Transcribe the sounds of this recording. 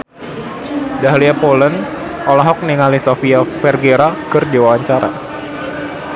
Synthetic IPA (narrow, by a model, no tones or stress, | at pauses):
daɦliapolən | ʔɔlaɦɔk̚niŋalisofiafɛrɡeɾakɨrdiwawaɲt͡ʃaɾa̰